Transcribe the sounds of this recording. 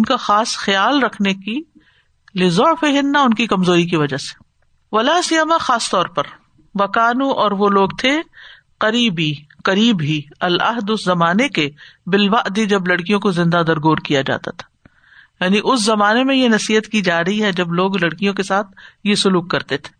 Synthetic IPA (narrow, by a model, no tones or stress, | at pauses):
ʊnkaxaːsxɐjaːlɾɐkʰneki | lɪzɔːfeɦɪnːaʊnkikɐmzoːɾik̬iʋɐd͡ʒase̥ | ʋɐlaːsijəmaxaːst̪ɔːɾpɐɾ | ʋɐkaːnũʔɔːɾʋoloːɡt̪ʰe | qɐɾiːbiqɐɾiːbɦiɐlɐ̰ɦd̪ʊszɐmaːnekebɪlʋaʔd̪id͡ʒɐblɐɽkijõkozɪ̃nd̪ad̪ɐɾɡoːɾkijad͡ʒa̰ːt̪at̪ʰḁ | jaːniʔʊszɐmaːnemẽjenɐsiːɦət̪kid͡ʒaːɾɐɦiɦɛd͡ʒɐbloːɡlɐɽkijõkesaːt̪̚ʰjesʊluːkːɐɾt̪et̪ʰe̥ː